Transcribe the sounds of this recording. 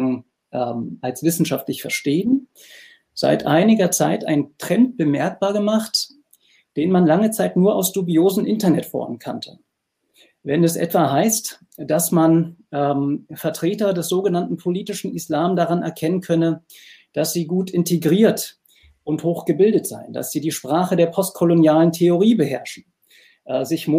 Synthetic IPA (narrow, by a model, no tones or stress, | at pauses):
ʔɛːmʔalsv̥ɪsn̩ʃaftlɪçfɛɐʃteːən | z̥a̰ɪtʔa̰ɪnɪɡɐt͡saɪtʔa̰ɪntʁ̥ɛnt̚b̥əmɛɐk̚b̥aːɐɡəmaχt | d̥eːnmanlaŋət͡saɪtnuːɐʔaʊsd̥ubioːzn̩ʔɪntɐnɛtfɔ̰ɐmənkʰa̰ntʰə̰ | vɛnɛsʔɛ̰tv̥aɦaɪst | d̥asmanʔɛːmfɛɐtʁ̥eːtɐdɛsz̥oːɡənantn̩pʰoliːtɪʃn̩ɪslaːmdaʁanɛ̰ɐkʰɛnənkʰœnə | d̥asz̥iːɡuːtɪntʰeɡʁiːɐt | ʔʊnthoːxɡ̥əbɪldətz̥a̰ɪnda̰sz̥iːdiːʃpʁ̥aːχədeːɐpʰɔst̚kʰolonjaːləntʰeoʁiːbəɦɛɐʃn̩ | ʔzɪçm